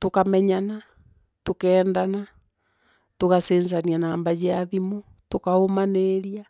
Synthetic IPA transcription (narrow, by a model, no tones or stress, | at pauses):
tokamɛɲana | tokɛːndana | tokasenzanianaːmbad͡ʒeaðimo | tokaomaneɾia